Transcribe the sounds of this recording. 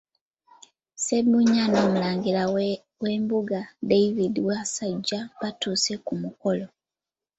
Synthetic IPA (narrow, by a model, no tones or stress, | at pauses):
sebuɲːanoːmulaːŋɡila | we̞ːmbuɡadeiβidiwasaɟːaβatuːse̞kumuko̞lo̞